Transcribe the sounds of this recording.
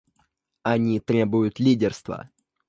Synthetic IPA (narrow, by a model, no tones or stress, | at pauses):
ɐnʲit̪ɾʲe̞bʊjʊt̪lʲidʲɪrst̪və̰